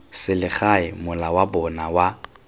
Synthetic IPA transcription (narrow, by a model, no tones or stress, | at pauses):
sɪlɪχaɪmʊlawabɔnawa